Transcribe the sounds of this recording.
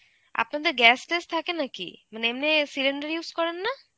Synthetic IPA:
a̰pnad̪eɾɡɛsʈest̪ʰakenakḭmaneemnesileɳɖəɾjuskɔɾenːa

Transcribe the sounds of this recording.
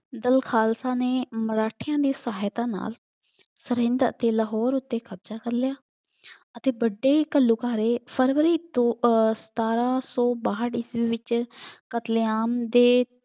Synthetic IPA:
d̪əlkʰaːlsaːneːməɾaːʈʰɪjãːd̪iːsaːt̪ãːna̰ːl | səɾɪ̃nd̪əʔət̪eːləɦɔːɾʊt̪ːeːkʰəbzaːkəɾlɪjaː | ət̪eːbəɖːeːkəlːuːkaːɾeːpʰəɾʋəɾiːt̪osə̥t̪aːɾãːsɔːbaːɦəɽɪsʋiːʋɪt͡ʃkət̪lɪjaːmd̪eː

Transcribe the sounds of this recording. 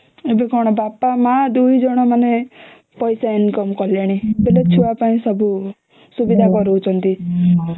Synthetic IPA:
ebekɔɽ̃ɔbapamad̪uid͡ʒɔɽ̃ɔmane | pɔjsainkɔmkɔljaɽ̃ibelet͡ʃʰuapaĩsɔbu | subid̪ʱakɔɾuːt͡ʃʰɔnt̪i

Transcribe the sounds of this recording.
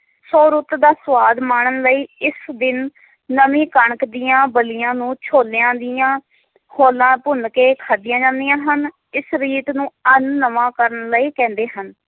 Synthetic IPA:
soːɾʊt̪d̪aːsʋaːd̪maːɳ̃ənləiːɪsd̪ɪnː | əmĩːkəɳəkd̪ɪjãːbəlɪjãːnũːt͡ʃʰoːljãːd̪ɪjãː | hoːlãːpʊnkeːkʰaːd̪ɪjãːd͡ʒãːnd̪ijãːɦən | ɪsɾiːt̪nũːənːəʋãːkəɾənləiːkɛ̃ːnd̪eːɦən

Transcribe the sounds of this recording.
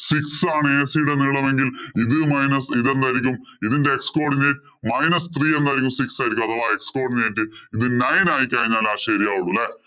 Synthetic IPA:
siksaːɳɨeːsijiɽeniɭːɐme̞ŋɡiliðɨmɐjnɐsiðe̞nd̪aːjiɾikʲːum | iðinde̞eksko̞ːrɖineːtːɨmɐjnɐst̪riːe̞nd̪aːjɾikʲːumsiksaːjiɾikʲːmɐðɐʋaːe̞ksko̞ːrɖineːtːɨiðɨnɐjnaːjikʲːaːɻiɲːaːlaːʂeːɾijaːuɭːulːe

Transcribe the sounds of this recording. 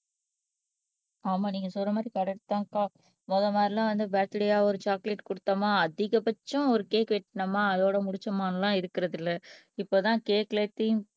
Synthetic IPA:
aːmaːniːŋɡɐsɔlrːɐmaːd̪ɾikɐɽɐɾt̪ːãːŋkaː | mɔðɐmaːd̪ɾɪlãːʋɐnd̪ɯbaːt̪ːɪɽɪjaːɔɾɯt͡ʃaːklɛʈkʊɽɯt̪ːɐmaːɐðɪɣɐpɐt͡ʃːʊ̃ɔɾɯkeːkʋɛʈːnɐmaːɐðoːɽɐmʊɽɪt͡ʃːɐmaːnɐlãːɪɾɯkːɪɾɐðɪlːɐ | ɪpːoːt̪ãːkeːklet̪ːi

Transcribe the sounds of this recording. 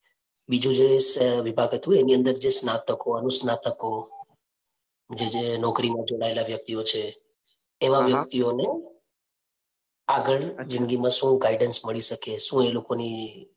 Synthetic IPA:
bid͡ʒũd͡ʒesʋibʱaɡɦɛt̪ũeniənd̪əɾd͡ʒesnat̪əkoənusnat̪əko | d͡ʒed͡ʒenɔkɾimãd͡ʒoɽ̃aelaʋjək̚t̪iot͡ʃʰeː | ʋãʋjək̚t̪ione | aɡəɭd͡ʒɪ̃nɡimãʃũɡaiɖənsməɭiʃəkeʃũelokoni

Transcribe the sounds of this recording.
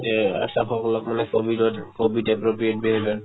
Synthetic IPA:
ɛa̰saxɔkɔlɔkmanɛkobidɔtkobidɛpɹopɹijet̚beɦɛbɛ

